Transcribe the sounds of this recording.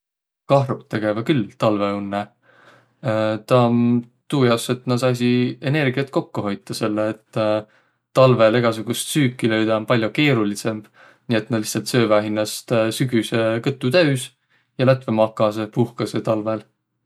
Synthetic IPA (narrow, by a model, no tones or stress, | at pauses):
kɑɦɾut̪ːe̞ɡ̥evɑkylt̪ɑlve̞unːe | t̪ɑm | t̪uːjɑse̞t̪ːnɑs̬ɑs̬iene̞rɡ̥iɑt̪̚ko̞kːuɦo̞jt̪ːˑɑse̞lːeːt̪ː | ɑlve̞le̞ɡ̥ɑsuɡ̥ust̪syːkːˑilø̞jd̪ɑmpɑlʲjoke̞ːɾulise̞mb̥ | nie̞t̪nɑ̥li̥htsɑlt̪sø̞ːvæɦinːɑst̪syɡysekɤt̪ːˑut̪æɥs | jɑlæt̪ve̞mɑkːˑɑsepuhkɑset̪ɑlvel